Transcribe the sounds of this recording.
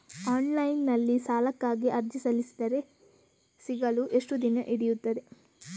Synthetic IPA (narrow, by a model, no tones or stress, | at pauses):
aːnlɐjnːɐlːisaːlɐkːaːɡiʔɐɾd͡ʒisɐlisi̥d̪ɐɾe̞ | siɡɐluʔeʂʈud̪inɐʔiɽijut̪ːɐd̪e̞